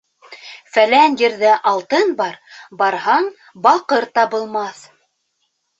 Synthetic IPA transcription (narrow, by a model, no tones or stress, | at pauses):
fælænjɘ̆ɾðɘʔɑlˠt̪ɤnbɑɾbɑɾhɑɴ | bɑqɤɾt̪ɑβɤ̆lˠmɑθ